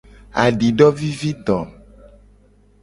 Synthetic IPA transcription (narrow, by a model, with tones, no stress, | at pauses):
a̰˨ɖi˨ɖɔ˦vi˦vi˦d̪ɔ̃˨